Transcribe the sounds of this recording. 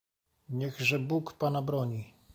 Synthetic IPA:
ɲɛɣʐɛbukpanabɾɔɲi

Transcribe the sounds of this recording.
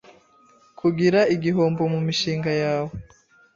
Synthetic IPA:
kʰuɡiɾaiɡiɦo̞ːmbo̞mumiʃiːŋɡajaːwo

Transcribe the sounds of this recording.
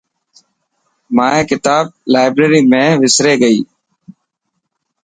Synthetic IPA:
maːẽːkɪt̪aːb̚laːɪbɾeːɾiːmẽːʋɪsɾeːɡəiː

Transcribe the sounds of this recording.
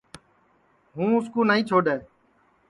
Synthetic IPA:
ɦũːʊskuːnaːĩːt͡ʃʰoːɗeː

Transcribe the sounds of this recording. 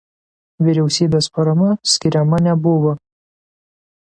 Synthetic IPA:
ʋʲiɾʲɛʊsʲiːbʲeːspɐɾɐmɐsʲkʲɪɾʲɛmɐnʲɛbʊʋo

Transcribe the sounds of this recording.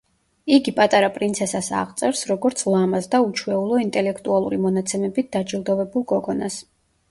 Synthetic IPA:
iɡipʼat̪ʼaɾapʼɾint̪sʰɛsasa̰ʁt̪sʼɛɾsɾɔɡɔɾt̪sʰlˠamasd̪aut͡ʃʰwɛulˠɔint̪ʼɛlɛkʰt̪ʼualˠuɾimɔnat̪sʰɛmɛbit̪̚d̪̥ad͡ʒilˠd̪ɔvɛbulˠkʼɔɡɔnas

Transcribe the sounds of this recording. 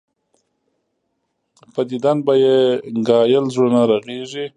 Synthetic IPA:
pad̪id̪anbajeŋɡɑjəlzɽonaɾaɣeʐi

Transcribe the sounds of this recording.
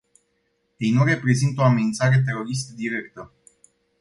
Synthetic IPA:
je̞jnure̞pɾe̞zint̪o̞ame̞nint̪saɾe̞t̪̬e̞ɾo̞ɾist̪əd̪iɾe̞kt̪ə

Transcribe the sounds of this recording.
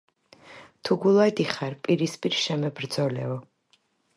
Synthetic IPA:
t̪ʰuɡulˠad̪iχaɾpʼiɾispʼiɾʃɛmɛbɾd̪zɔlɛɔ

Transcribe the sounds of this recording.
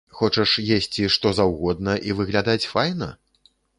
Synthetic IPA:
xɔt͡ʂɐʂjesʲt͡sʲiʂt̪ɔzawɣɔd̪nɐʔivɨɣlʲad̪at͡sʲfajnɐ̰

